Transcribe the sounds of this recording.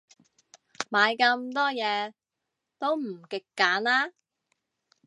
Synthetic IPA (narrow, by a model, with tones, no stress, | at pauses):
maː˨˧jkɐ˧mt̪ɔː˥jɛː˨˧ | t̪o˥wm̩˨˩kɪ˨kːaː˨˥naː˥